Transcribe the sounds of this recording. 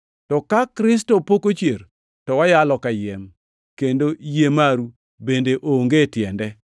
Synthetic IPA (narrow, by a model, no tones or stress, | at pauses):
tɔkakɾɪs̬tɔpokot͡ʃjeɾ | tɔwajalɔkajɛm | kendojemaɾu | bendeʔoŋɡetjɛndɛ